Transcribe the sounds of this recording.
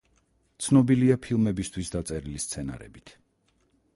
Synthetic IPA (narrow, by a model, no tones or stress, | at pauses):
t̪sʰnɔbiliapʰilˠmɛbist̪ʰwisd̪at̪sʼɛɾilist̪sʰɛna̰ɾɛ̰bit̪ʰ